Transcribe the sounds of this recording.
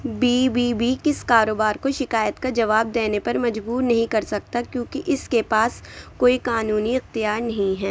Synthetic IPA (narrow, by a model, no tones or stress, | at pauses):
biːbiːbikɪskaːɾoːbaːɾkoʃɪkaːjət̪kad͡ʒɐʋaːb̚d̪eːnepɐɾmɐd͡ʒbuːɾnɐɦĩkɐɾsɐk̚t̪akjõːkiʔɪskepaːskoːikaːnuːniɪxt̪ijaːɾnɐɦĩɦɛː